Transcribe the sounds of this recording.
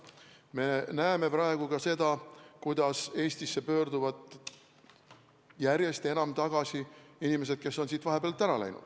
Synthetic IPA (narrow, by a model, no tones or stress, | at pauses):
me̞næeme̞pɾɑe̞ɡ̥ukɑse̞d̪̥ɑkujd̪̥ɑse̞ːst̪isːe̞pø̞ːɾd̪uvɑd̪ | jærje̞st̪e̞nɑmt̪ɑɡ̥ɑsiinime̞s̬e̞d̪̥̚ke̞sːo̞nsiːt̪vɑɦe̞b̥elt̪ˑːæɾɑlæ̰jnṵd̪̥